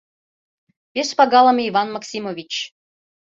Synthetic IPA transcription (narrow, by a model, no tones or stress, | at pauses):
pʲeʃpɑɡɑlˠəmʲivɑnmɑksʲimovʲit͡ɕ